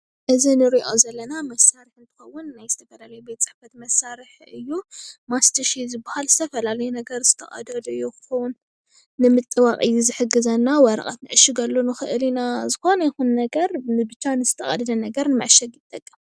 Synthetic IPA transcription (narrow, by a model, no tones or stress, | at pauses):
ʔɨzinɨɾiʔo̞zɐlːɐnamɐsːaɾiħɨnt̪ʰɨ̥xɐwːʊnːajzɨt̪ʰɐfɐlalɐjubet̪̚ʼt͡sʼɨ̥ħfɐt̪mɐsːaɾɨħ | ɨjːumast̪ʰɐʃizɨbahalzɨt̪ʰɐfɐlalɐjunɐɡɐɾz̥ɨt̪ʰɐχʼɐ̰d̪ɐlɨjːukɨ̥xɐwnː | ɨmɨt̪ʼːɨwaqʼɨjːuzɨħɨɡːɨzɐnːawɐɾɐ̰ʔʼɐt̪nɨʕɨʃiɡɐlːonɨxɨʔɨlinazɨxo̞nɐjɪxunːɐɡɐɾmɨbɨt͡ʃːanɨzɨt̪ʰɐχʼɐ̰d̪ɨd̪ɐnɐɡɐɾnɨmɐ̰ʕʃɐɡjɪt̪ʼːɐkʼːɨm